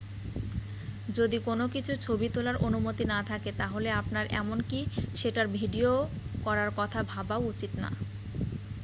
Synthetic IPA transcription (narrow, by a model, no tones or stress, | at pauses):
d͡ʑod̪ikonokit͡ɕʰut͡ɕʰobit̪olaɾʔonumot̪inat̪ʰaket̪aɦoleapnaɾʔɛ̰monkiʃeʈaɾbʱiɖio | kɔɾaɾkɔt̪ʰabʱabaowut͡ɕit̪na̰